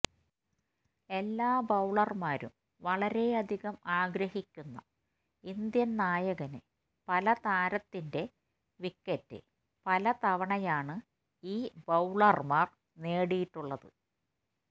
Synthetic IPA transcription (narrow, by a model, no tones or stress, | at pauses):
e̞lːaːbɐwɭɐrmaːɾṵm | ʋɐɭɐɾe̞ɐd̪ʱiɣɐmaːɡɾɐhikʲːunːɐ̰ | ind̪jɐnnaːjɐɣɐne | pɐlɐt̪aːɾɐt̪ːinde̞ | ʋikːetːɨ̰ | pɐlɐt̪ɐʋɐɳɐjaːɳɨ | iːbɐwɭɐrmaːr | neːɽijiʈːuɭːɐðɨ